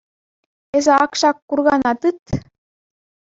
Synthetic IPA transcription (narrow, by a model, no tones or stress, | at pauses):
ezɘɑkʃɑkːurɣɑnɑt̪ɯt̪